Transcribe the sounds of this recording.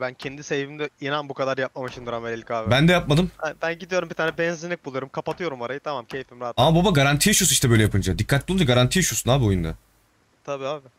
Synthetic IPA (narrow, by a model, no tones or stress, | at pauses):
bæncʰɛnd̪isejvind̪ɛinanbukad̪aɾjap̚mamaʃɯnd̪uɾamelʲelʲcaːvbænd̪ɛjap̚mad̪ɯmbænɟid̪ijo̞ɾumbit̪ʰaːnɛbɛnzinʲic̚bulˠuɾumkʰapat̪ʰɯjo̞ɾumaɾajɯt̪ʰamamcʰejfimɾaːat̪amababaɡaɾant̪ʰijiʃusiʃt̪ɛbø̞jlʲɛjapʰɯnd͡ʒad̪ikʰːat̪̚b̪ʲunaɡaɾant̪ʰijʃusunaːbio̞jund̪a̰ | t̪ʰabiːaːbi